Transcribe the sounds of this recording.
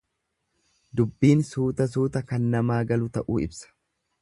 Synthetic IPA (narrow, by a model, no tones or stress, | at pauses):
d̪ʊbːiːnsuːt̪ɐs̬uːt̪ɐkɐnːɐmaːɡɐlʊt̪ɐʔuːɪ̰bsɐ̥